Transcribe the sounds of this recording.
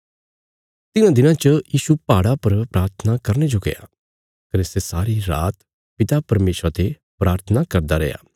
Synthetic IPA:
t̪ɪnãd̪ɪnãt͡ʃəjiːʃupaːɽapɐɾpɾaːɾt̪ʰənakɐɾned͡ʒoɡḛja̰ | kɐɾesesaːɾiɾa̰ːt̪ | pɪt̪apɐɾmeːʃɾat̪e | pɾaːɾt̪ʰənakɐɾd̪aɾɛ̰ja̰ː

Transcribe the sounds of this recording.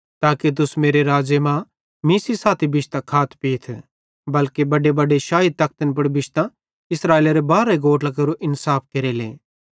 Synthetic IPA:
t̪aːkit̪̬ʊsmeːɾeɾaːd͡ʒjəmã | miːsisaːt̪ʰibɪʃt̪ãkʰaːt̪ʰpiːt̪ʰ | bɐlkebɐɖebɐɖeʃaːɦɪd̪̚t̪ɐk̚ʰt̪ənp̬ɐɽbɪʃt̪ã | ɪsɾaːeːlaɾebaːɾeɡoːʈlakɐɾuʔɪnsaːpkɐɾelḛː

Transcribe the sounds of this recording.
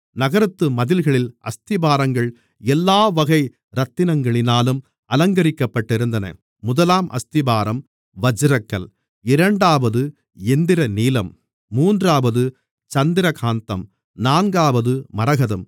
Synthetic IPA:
nɐɣɐɾɐt̪ːɯmɐðɪlɣɐɭɪlʔɐ̰st̪ɪbaːɾɐŋɡɐɭ | ɛlːaːʋɐɣɐɪ | ɾɐt̪ːɪnɐŋɡɐɭɪnaːlɯm | ɐlɐŋɡɐɾɪkːɐpːɐʈːɪɾɯnd̪ɐnɐ̰ | mʊðɐlaːmʔɐ̰st̪ɪbaːɾɐm | ʋɐd͡ʒɯɾɐkːɐl | ɪɾɐɳɖaːʋɐðɯ | ɛnd̪ɪɾɐniːlɐmː | uːndraːʋɐðɯ | t͡ʃɐnd̪ɪɾɐkʰaːnt̪ɐm | naːnɡaːʋɐðɯmɐɾɐɣɐðɯm

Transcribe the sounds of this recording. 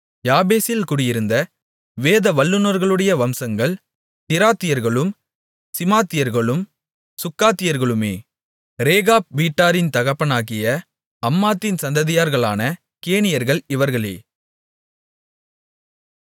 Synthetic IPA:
jaːbeːsɪlkʊɽɪjɪɾɯnd̪ɐ | ʋeːðɐʋɐlːɯnɔɾɣɐɭɯɽɐjɐʋɐmsɐŋɡɐɭ | t̪ɪɾaːt̪ːɪjɐɾɣɐɭɯm | sɪmaːt̪ːɪjɐɾɣɐɭɯm | sʊkːaːt̪ːɪjɐɾɣɐɭɯmeː | ɾeːɣaːp̚ʋiːʈːaːɾɪnt̪ɐɣɐpːɐnaːɣɪjɐ | ɐmːaːt̪ːɪnsɐnd̪ɐðɪjaːɾɣɐɭaːnɐ | keːɳɪjɐɾɣɐɭɪʋɐɾɣɐɭḛː

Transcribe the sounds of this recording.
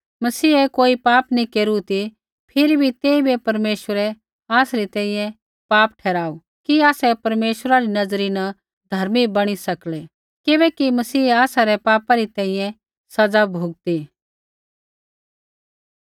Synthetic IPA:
mɐsiːɛkoːipaːpnikeːɾut̪i | pʰɪɾibʱit̪eːibʱipɐɾmeːʃəɾɛ | aːsɾit̪ɛ̃ːĩjɛ̃ | paːp̚ʈʰɛːɾaːu | kiaːsɛpɐɾmeːʃəɾaɾinɐd͡zɾinɐ | d̪ʱɐɾmibɐɽ̃isɐklɛ | kɪbɛːkimɐsiːaːsaɾɛpaːpaɾit̪ɛ̃ːĩjɛ̃ | sɐd͡zabʱuːɡ̚t̪i

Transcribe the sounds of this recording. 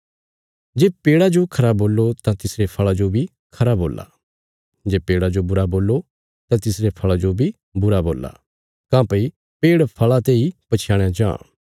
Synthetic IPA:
d͡ʒeːpeːɽad͡ʒokʰɐɾaːboːlːot̪ãt̪ɪsɾepʰɐɭad͡ʒobʱi | kʰɐɾabʱoːlːa̰ | d͡ʒeːpeːɽad͡ʒobʊɾaboːlːo | t̪ãt̪ɪsɾepʰɐɭad͡ʒobʱi | bʊɾaboːlːa̰ | kãːpɐi | peːɽpʰɐɭat̪eːipɐt͡ʃʰjãːɽ̃jãd͡ʒã̰ː

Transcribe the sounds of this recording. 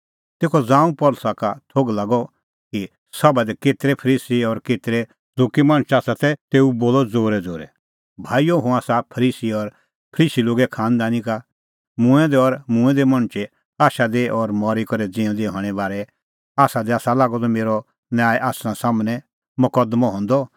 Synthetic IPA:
t̪eːkʰɔd͡zãːũpɔlsakat̪ʰoɡlaːɡɔ | ki | sɐbad̪ɛkeːt̪ɾɛpʰɐɾiːsiɔɾkeːt̪ɾɛ | d͡zoːkimãːɽ̃t͡ʃaːsat̪ɛt̪eːuboːlɔd͡zoːɾɛd͡zoːɾɛ̰ | bʱaːijoɦũaːsapʰɐɾiːsiɔɾ | pʰəɾiːsiloːɡɛkʰaːnd̪aːnika | mʊ̃ɛ̃d̪ɛɔɾmũɛ̃d̪ɛmɐ̃ɽ̃t͡ʃe | aːʃad̪eʔɔɾmɔɾikɔɾɛd͡zĩɔ̃d̪eɦɔ̃ːɽ̃ɛbaːɾɛ | aːsad̪ɛaːsalaːɡɔt̪ɔmeːɾɔ | njaːjʔaːsɾãsaːmnɛ̃ | mʊkəd̪mɔ̃ɦɔ̃ːnd̪ɔ

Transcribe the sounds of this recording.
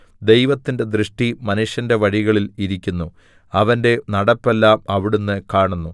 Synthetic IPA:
d̪e̞jʋɐt̪ːinde̞d̪ɾɨʂʈimɐnuʂjɐnde̞ʋɐɻiɣɐɭiliɾikʲːunːu | ɐʋɐnde̞nɐɽɐpːe̞lːaːmɐʋiɽunːɨkaːɳunːu

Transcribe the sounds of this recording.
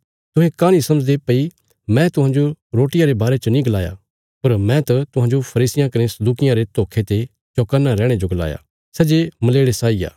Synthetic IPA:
t̪ʊɦẽkãnĩsɐ̃məd͡ʒd̪epɐi | mɛ̃t̪ʊɦãːnd͡ʒoɾoːʈɪjãɾebaːɾet͡ʃɐnĩɡɐlaːja̰ | pɐɾmɛ̃t̪ɐt̪ʊɦãːɲd͡ʒopʰɐɾiːsɪjãkɐɾẽsɐd̪uːkɪjãɾet̪oːkʰet̪e | t͡ʃoːkanːaɾɛ̃ːɽ̃ed͡ʒoɡɐla̰ːja̰ː | sɛːd͡ʒemɐleːɽesaːija̰ː

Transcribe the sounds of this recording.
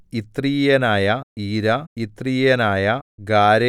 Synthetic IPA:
it̪rijjɐnaːjɐiːɾɐit̪riːjɐnaːjɐɡaːɾɐ

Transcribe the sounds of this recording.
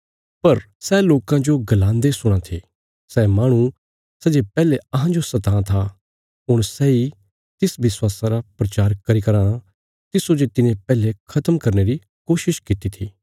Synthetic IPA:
pɐɾ | sɛloːkãd͡ʒoɡɐlãːnd̪esʊɽ̃ãt̪ʰi | sɛmaːɽ̃u | sɛd͡ʒepɛːleɐɦãd͡ʒosɐt̪ãt̪ʰa | ɦʊɽ̃sɛi | t̪ɪsʋɪswaːsãɾapɾɐt͡ʃaːɾkɐɾikɐɾaːɽ̃a | t̪ɪsod͡ʒet̪ɪnẽpɛːlekʰɐt̪əmkɐɾneɾi | koːʃɪʃkɪt̪it̪ʰiː

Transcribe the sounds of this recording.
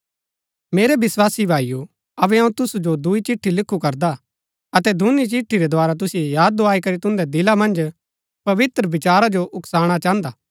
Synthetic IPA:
meːɾɛbɪswaːsibʱaːiju | ɐbɛɦɐ̃ũt̪ʊsud͡ʒod̪ʊit͡ʃɪʈʰːilɪkʰːukɐɾd̪a | ɐt̪ɛd̪ʱʊnit͡ʃɪʈʰːiɾɛd̪waːɾat̪̬ʊsiejaːd̪̚ːoaːikɐɾit̪ʊ̃nd̪ɛd̪ɪlamɐ̃nd͡ʒ | pɐʋɪt̪ɾəbɪt͡ʃaːɾad͡ʒoʔʊksaːɽ̃at͡ʃaːə̃nd̪aː

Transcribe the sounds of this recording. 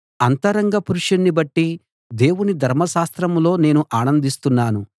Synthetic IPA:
ɐnt̪ɐɾɐŋɡɐpuɾuʂɐnːibɐʈːi | d̪e̞ːwunid̪ʱɐɾmɐʃaːst̪ɾɐmlo̞ːne̞ːnuʔaːnɐnd̪ist̪unːaːnu

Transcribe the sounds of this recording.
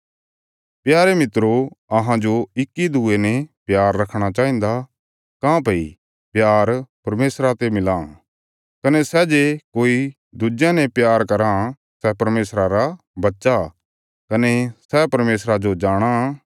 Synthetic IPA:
pjaːɾemɪt̪ɾoɐɦãd͡ʒoɪkːid̪ʱuenepjaːɾːɐkʰɽ̃at͡ʃaːĩːnd̪a | kãːpɐḭ | pjaːɾpɐɾmeːsɾat̪emɪlã | kɐnesɛd͡ʒekoːi | d̪ʊd͡ʒjãnɛ̃pjaːɾkɐɾã | sɛpɐɾmeːsɾaɾa | bɐtːʃa | kɐnesɛpɐɾmeːsɾad͡ʒod͡ʒaːɽ̃a

